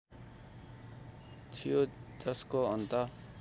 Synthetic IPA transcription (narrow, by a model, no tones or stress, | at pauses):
t͡sʰijod͡zʌskoʌnt̪ʌ